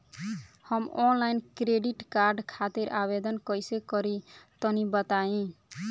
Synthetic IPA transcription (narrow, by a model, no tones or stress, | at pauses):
həmɔnlajnkɾeɖiʈkaɾɖkʰat̪iɾʔaβed̪ənkəjsekəɾit̪ənibət̪aĩ